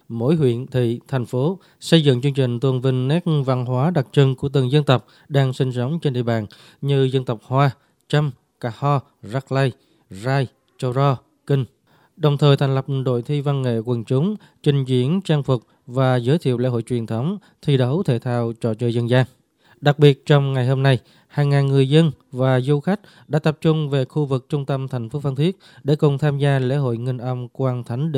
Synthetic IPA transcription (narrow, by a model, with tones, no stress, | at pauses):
mo̰˧˥jɦwḭ˧˨ənt̪ʰḭ˧˨t̪ʰa˨˩jŋ̟fo˨˦ | sə˧jzɨ̰˧˨ŋt͡ɕɨ˧əŋt͡ɕï˨˩ŋ̟t̪ə˨˩ŋvï˨˩ŋ̟nɛ˦˥k̚va˧˨nɦwaː˨˦ɗa˨˩t̚t͡ɕɨ˧ŋku˧˩ət̪ɨ˨˩ŋzə˧nt̪ə˨˩wk͡p̚ | ɗaː˧ŋsi˧ŋ̟sə˨˦wŋ͡mt͡ɕe˧nɗḭ˧˨əɓa̰ː˧˨n | ɲɨ˧zə˧nt̪ə˨˩wk͡p̚hwaː˧ | t͡ɕə˧m | kaː˧˩hɔ˧ | za˦˥k̚la˧j | zaː˧j | t͡ɕə˧wzɔ˧ | kï˧ŋ̟ | ɗə˨˩wŋ͡mt̪ʰəː˨˩jt̪ʰŋlə˨˩p̚ɗo̰˧˨jt̪ʰi˧va˧nŋḛ˧˨kwə˨˩nt͡ɕʊ˨˦ŋ͡m | t͡ɕï˨˩ŋ̟zḭ˧˥ənt͡ɕaː˧ŋfʊ˨˩k͡p̚ | vaː˨˩zəː˨˦jt̪ʰḭ˧˨əwlḛ˧˥ɦo̰˧˨jt͡ɕwi˨˩ənt̪ʰə˨˦wŋ͡m | t̪ʰi˧ɗə˨˦wt̪ʰḛ˧˨˩t̪ʰaː˧˨wt͡ɕɔ̰˧˩t͡ɕəː˧˩jzə˧nzaː˧ŋ | ɗa˨˩k̚ɓi˨˩ət̚t͡ɕɔ˧wŋ͡mŋa˨˩jɦo˧mna˧j | haː˨˩ŋːaː˨˩nŋɨ˨˩əjzə˧nvaː˨˩zu˧xa˦˥jk̟̚ | ɗa̰ː˧˥t̪ə˨˩p̚t͡ɕʊ˧ŋ͡mve˨˩xu˧vɨ˨˩k̚t͡ɕʊ˧ŋ͡mt̪ə˧mt̪ʰa˨˩jŋ̟fo˨˦fa˧nt̪ʰi˦˥ət̚ɗe˧˩kʊ˨˩ŋ͡mt̪ʰaː˧mzaː˧lḛ˧˥ɦo̰˧˨jŋï˧ŋʔə˧mkwaː˧nt̪ʰa˨˦jŋ̟ɗ